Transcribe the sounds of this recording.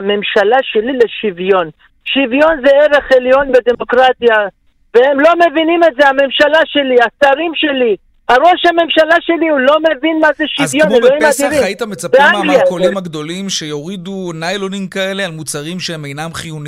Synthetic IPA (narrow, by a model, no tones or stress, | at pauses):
ame̞mʃalaʃe̞lile̞ʃivjo̞n | ʃivjo̞nzeeʁe̞χeljo̞nbed̪e̞mo̞kʁat̪ja | vehemlo̞me̞vinime̞tzeame̞mʃalaʃe̞liasaʁimʃe̞li | haʁo̞ʃhame̞mʃalaʃe̞liulo̞me̞vinmazeʃizjo̞neloimad̪iɾimit̪amet͡sapealeolimaɡd̪o̞limʃejoʁid̪unajlonimkaele̞almut͡saʁimʃeemejnamχijuni